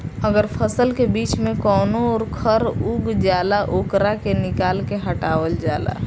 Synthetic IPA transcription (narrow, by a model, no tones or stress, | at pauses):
əɡəɾpʰəsəlkebiːt͡ʃmẽkɔːnoɔːɾkʰəɾuːɡd͡ʒaːlaʔoːkɾakenɪkaːlkeɦəʈaːwəld͡ʒaːla̰